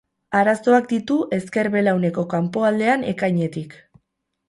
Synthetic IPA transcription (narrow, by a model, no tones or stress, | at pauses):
aɾaso̞akd̪it̪uʔe̞ske̞ɾβe̞lawne̞ko̞kampo̞ald̪e̞ane̞kajɲe̞t̪ik